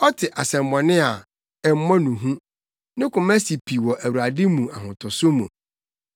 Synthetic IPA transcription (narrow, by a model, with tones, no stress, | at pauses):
ɔ˦tʰɪ˨ʔa˨sɛ̃˨m˨mɔ̃˨nɪ̃˦a˨ | ɛ˨m̩˦mɔ̃˦nũ˨ɦũ˦ | nɪ̃˦kʰʊ˨mæ˦si˨pʰi˨wɔ˨ʔæ˨wu˨a˨dɪ˦mũ˨a˨ɦʊ̃˨tʰʊ˨sʊ˦mṵ̃˨